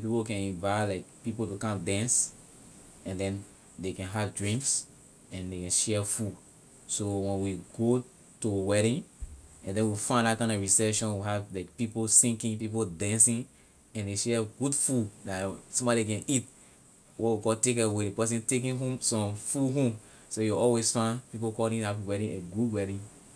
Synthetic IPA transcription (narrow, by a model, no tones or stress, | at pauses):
pipokɛ̃nĩvajlaɪk̚pipotokãdɛ̃ns | ɛ̃ndɛ̃n | dekɛ̃nɦavdɹĩŋks | ɛ̃ndekɛ̃nʃɛfud | sowɛ̃nwiɡo | tuwɛɾĩnɛ̃ndɛ̃nwifãɪ̃ndat̚kãɪ̃ndɔɹisɛʃɔ̃nwiɦavlaɪk̚piposĩŋkĩp̬ip̬odɛ̃nsĩn | ɛ̃ndeʃɛɡudfudasɔ̃mbɔdekɛ̃nit | wɔtwikɔltekawedepɛs̬ĩntek̬ĩnɦũmsɔ̃mfuɦũm | sojuɔlwesfãnpipokɔdĩatwɛɾĩneɡudwɛɾĩn